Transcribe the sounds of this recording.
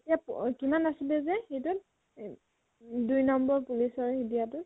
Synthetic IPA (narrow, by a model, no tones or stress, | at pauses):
etijapkimanasilɛzɛxetʊt̚ | dujnɔmbɔɹpulisɔɹidijatʊt